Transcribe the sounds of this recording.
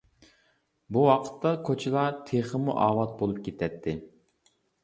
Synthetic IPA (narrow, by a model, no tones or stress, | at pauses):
buwɑqʰə̥t̪ːɑkʰot͡ʃʰɪlˠɑɾt̪ʰeχəmṵʔɑːwɑt̪̚bolˠup̚kʲʰet̪ʰɛt̪ʰːɪ